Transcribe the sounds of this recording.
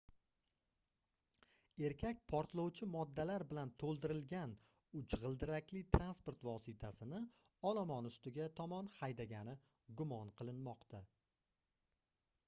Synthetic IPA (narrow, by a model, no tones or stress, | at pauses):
e̞ɾkʲʰakʲpʰɒɾt̪lˠɒwt͡ʃʰɪmɒd̪ːalaɾbɪlant̪ʰolˠd̪ɪɾɪlɡʲan | ʊt͡ʃʁɨlˠd̪ɪɾakʲlɪt̪ʰɾanspoɾt̪vɒsɪt̪ʰasɪnɪ | ɒlˠɒmɒnʊst̪ɪɡʲat̪ʰɒmɒnhajd̪aɡʲanɪ | ɡʊmɒnqʰɨlˠɪnmɒqt̪ʰa